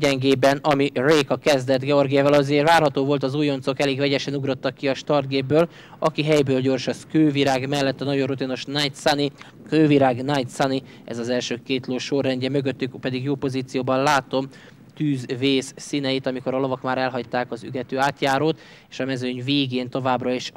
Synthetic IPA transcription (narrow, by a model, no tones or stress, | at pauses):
ɟɛŋɡeːbɛnɒmireːkɒkɛzd̪ɛd̪ɡɛo̞rɡijaːvɒlɒzeːrvaːrɦɒt̪oːvo̞lt̪ɒzuːjo̞nt̪so̞kɛleːɡvɛɟɛʃɛnuɡɾo̞t̪ːɒkːiɒʃt̪ɒrd̪ɡeːbːøːl | ɒkiɦɛjbøːlɟo̞rʃɒskøːviɾaːɡmɛlːɛt̪ːɒnɒɟorut̪ino̞ʃnjt̪sni | køːviɾaːɡnajt̪sani | ɛ̰zɒzɛlʃøːkeːt̪loːʃorːɛɲɟɛmøɡøt̪ːykpɛd̪iɡjoːpo̞ziːt̪sijoːbɒnlaːt̪o̞m | t̪yːzveːsːinɛjit̪ɒmiko̞ɾɒlo̞vɒkmaːɾɛlɦɒct̪ːaːkɒzy̰ɡɛt̪øːaːt̪jaːɾoːt̪ | eːʃɒmɛzøɲveːɡeːnt̪o̞vaːbrɒeːʃ